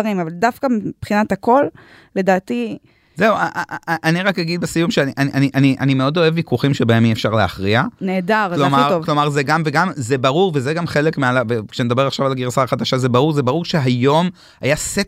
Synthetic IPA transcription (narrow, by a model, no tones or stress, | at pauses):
ʁimavaldafkamipχinatako̞l | le̞daːt̪i | zeuaaʔaniʁakjaɡid̪̚besijumʃeaniʔaniʔaniʔaniʔanimeo̞do̞e̞vːikuχimʃebae̞miefʃaʁleaχʁianeːdaʁlomaʁvklo̞maʁzeɡamveɡamzebaʁuʁvezeɡamχe̞lekmealavekʃened̪abe̞ʁaχʃavalɡiʁsaχad̪aʃazebaʁuʁzebaʁuʁʃe̞ɦajo̞m | ajaset